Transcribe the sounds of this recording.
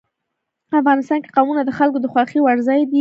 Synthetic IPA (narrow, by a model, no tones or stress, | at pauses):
pəafɣɑnɪst̪ɑnke̥qawmunad̪əxalkod̪əxwɑxiwaɾzɑjd̪i